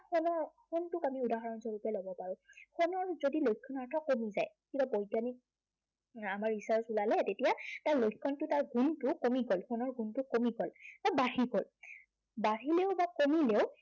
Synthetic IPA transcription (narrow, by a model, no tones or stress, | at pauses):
xɔnɔɹxɔntʊkamiudaɦɔɹɔnzoɹupɛlobɔpaɹʊ̃xɔnɔɹzodilojkʰːɔnaɹtʰɔkomizaj | kibabɔjtanik̚ | amaɹisaɹsulalɛtetijataɹlojkʰːɔntʊtaɹɡuntʊkomiɡɔlxʰɔnɔɹɡuntʊkomiɡɔlbabaɦiɡɔl | baɦileʊbakomileʊ